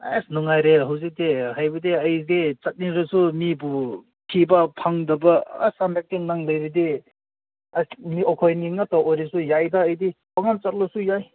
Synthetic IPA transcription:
asnɔŋajɾeɦɐwzik̚dehajbɐdeɐjɡet͡ʃɐt̚niɾɐsumibu | kʰibɐpʰaŋdɐbɐ̰ːsamak̚tenaŋlɐjɾide | asniɔkʰɔjniŋataojɾesujajdaːjdi | aŋant͡ʃɐt̚lɔsujaj

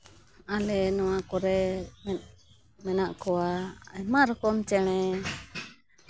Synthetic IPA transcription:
alɛnɔwakɔɾɛmɛ | mɛnaʔkɔwaɛmaɾɔkɔmt͡ʃɛɽ̃ɛ

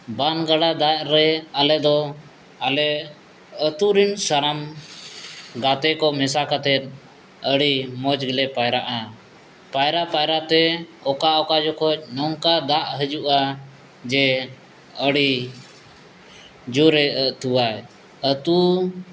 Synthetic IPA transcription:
banɡaɽad̪aʔɾɛalɛd̪ɔ | alɛ | ət̪uɾinsaɾam | ɡat̪ɛkɔmɛsakat̪ɛt̪̚ˀ | əɽimɔd͡ʒɡilɛpajɾaʔa | pajɾaʔpajɾaʔt̪ɛɔkaʔɔkad͡ʒɔkʰɔt͡ʃ̚ˀnɔŋkad̪aʔɦəd͡ʒuʔa | d͡ʒɛ | əɽi | d͡ʒuɾɛʔəʔt̪uwaj | ət̪u

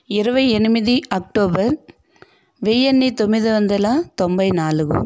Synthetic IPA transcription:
ɪɾɯʋɐɛnɯmɪðiɐk̚ʈoːbɐɾ | ʋeːjɛnːit̪ɔmːɪðɯʋɐnd̪ɐlãːt̪ɔmbɐɪnaːlɯɣɯ̰

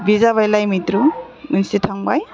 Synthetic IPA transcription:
bizaβajlajmitɾuunsitʰaŋbaj

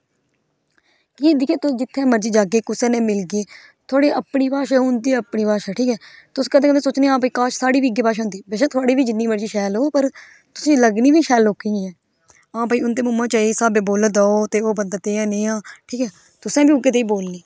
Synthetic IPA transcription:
kiːd̪ɪkʰẽːt̪ʊd͡ʒɪt̪ʰːɛ̃ːməɾd͡ʒiːd͡ʒaːɡeːkʊsɛ̃ːnẽːmɪlɡeː | t̪ʰʊaːɽeːʔəpɳiːpaːʃɛːɦʊ̃nd̪iːəpɳiːpaːʃɛːʈʰiːkɛːt̪ʊsːkəd̪ẽːkəd̪ẽːsoːt͡ʃneːãːpaiːkaːʃsaːɽiːʋiːɡeːpaːʃãʊːnd̪iːbeːʃɛ̃ːt̪ʰʊaːɽiːbiːd͡ʒɪnːiːməɾd͡ʒiːʃɛːlɦoːpəɾ | t̪ʊsĩːləɡniːʋiːʃɛːloːkĩɛː | ãːpaːiːʊnd̪eːmʊmãːt͡ʃaːiːsaːbẽːboːlaːd̪aːoːt̪eːoːbənd̪aːt̪eːãːnẽːãːʈʰiːkɛː | t̪ʊsɛ̃ːbiːʊɡeːt̪eːiːboːlniː

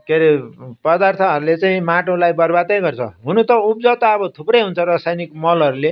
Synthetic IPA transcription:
keɾepʌd̪art̪ʰʌɦʌɾulet͡saĩmaʈõlajbʌrbad̪ʌjɡʌrt͡sʰʌ̰ɦunut̪ʌup̚d͡zʌwt̪aʌbʌt̪ʰuprʌjɦunt͡sʰʌɾʌsajnikmʌlʌɾule

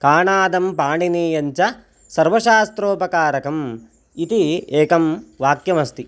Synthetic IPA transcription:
kaːɳaːd̪ɐmpaːɳiniːjɐɲt͡ʃɐ | sɐɾʋɐʃaːst̪ɾoːpɐkaːɾɐkɐm | it̪ieːkɐmʋaːkjɐmɐst̪i

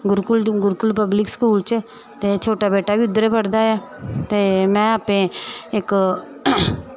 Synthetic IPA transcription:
ɡʊɾkʊlɡʊɾkʊlpəblɪkskuːlt͡ʃe | t̪et͡ʃʰoːʈabeːʈabʱiʊd̪ːəɾepəɽd̪aaːt̪eːmɛ̃ːaːpẽek

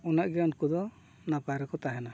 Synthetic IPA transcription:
unaʔɡiɾɔnkud̪ɔ | napaɾɛkɔt̪aɦɛna

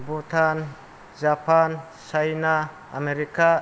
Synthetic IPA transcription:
but̪ʰan | d͡ʒapʰan | sajna | a̰meɾika

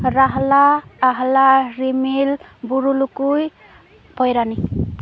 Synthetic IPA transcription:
ɾaɦlaːɦlaɾimilbuɾulukuj | pʌjɾani

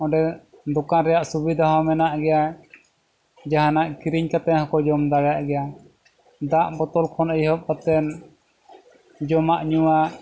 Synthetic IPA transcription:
ɔ̃ɖɛd̪ɔkaɾɛjaʔsubid̪ʱaɦɔmɛnaʔɡɛja | d͡ʒaɦanaʔkiɾiɲkat̪ɛhɔkɔd͡ʒɔmd̪aɽjaʔɡɛja | d̪aʔbɔt̪ɔlkʰɔnəjhɔp̚kat̪ɛn | d͡ʒɔmaʔɲuwa

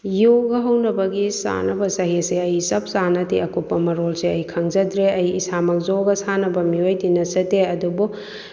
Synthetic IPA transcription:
joɡɐɦɐwnɐbɐɡisa̰nɐbɐsɐɦiseɐjsɐp̚sanɐtiɐkupːɐmɐɾolseɐjkʰɐŋzɐdɾeɐjisamɐk̚zoɡɐsanɐbɐmiojdinɐsɐteɐdubu

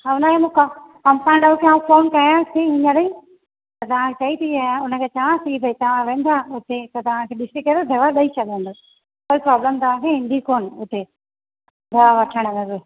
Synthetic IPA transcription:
aʊnaemũːka | ɐmsãnɗakʰeãfoːnkɐjãt̪ʰiɦɪ̃ɲãɗɐi | t̪ɐt̪ɐʋ̤ãkʰet͡ɕɐit̪ʰiaãʊnə̆kʰeːt͡ʃɐʋãsiːbɐit̪ɐʋ̤ãʋẽːnd̪aʊt̪et̪ɐt̪ɐʋ̤ãkʰeːɗɪsʈikːɐɾd̪od̪ʱɐʋaɗɐit͡ɕʰɐd̪ʋẽn̆d̪o | koːipɾaːbləmt̪ɐʋ̤ãkʰeɦɪ̃nd̪ʱikoːnʊt̪e | d̪ʱɐʋaʋɐʈʰəɽ̃ʋẽɾe

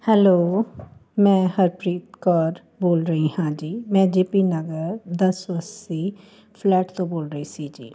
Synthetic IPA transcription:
hɛloː | mɛ̃ːɦəɾpɾiːt̪kɔːɾ | boːlɾəiːɦãːd͡ʒiːmɛ̃ːd͡ʒeːpiːnəɡəɾd̪əsʋəsiː | pʰlɛːʈt̪õːboːlɾəiːsiːd͡ʒḭː

